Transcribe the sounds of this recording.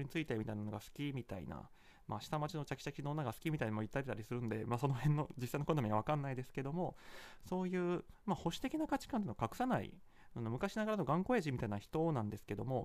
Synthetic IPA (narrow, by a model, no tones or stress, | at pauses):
ɲit͡sɨit̪e̞mʲit̪ainano̞ɡasɨ̥kʲimʲit̪a̰ḭna̰ | mʔa̰ɕi̥t̪amat͡ɕinot͡ɕakʲi̥t͡ɕakʲinonːaɡasɨ̥kʲimʲit̪ainamoit̪ːaet̪aɾʲisɨɾɯ̟nod̪e̞maːso̞no̞hẽ̞nːo̞d͡ʑisainokonomʲiaβakãnːaid̪e̞sɨ̥ke̞d̪o̞mo̞so̞ːjɯ̟ːmaho̞ɕi̥t̪e̞kʲinakat͡ɕi̥kãnt̪enoakakɯ̟̥sanaḭ | nonomɯ̟kaɕinaɡaɾano̞ɡãŋko̞eʑimʲit̪ainaçi̥t̪o̞nãnd̪e̞sɨ̥ke̞d̪o̞̰mo̞